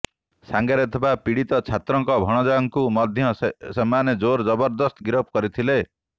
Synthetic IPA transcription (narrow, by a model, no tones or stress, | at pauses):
saŋɡaɾet̪ʰɔbapiɽit̪ɔt͡ʃʰat̪ɾɔŋkɔbʱɔɽ̃ɔd͡ʒɔjɔŋkumɔd̪ʱjɔsemaned͡ʒoɾd͡ʒɔbɔɾd̪ɔst̪ɔɡiɾɔp̚ʰkɔɾit̪ʰile